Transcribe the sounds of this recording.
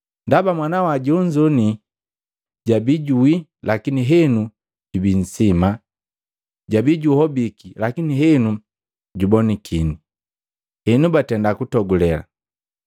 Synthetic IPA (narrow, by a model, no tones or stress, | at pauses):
ndabamwanawaɟuuɲd͡ʒɔni | ɟabiɟuilakiniɦɛnu | ɟubin̩sima | ɟabiɟuhɔbikilakiniɦɛnu | ɟubɔnikʰini | hɛnubatɛndakutɔɡulɛla̰